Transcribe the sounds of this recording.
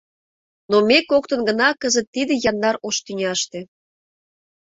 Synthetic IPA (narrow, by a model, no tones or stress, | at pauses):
nomekok̚t̪ə̆nɡə̆nɑkəzət̪ːid̪ĕjɑnːɑɾoʃt̪ynʲɑʃt̪ĕ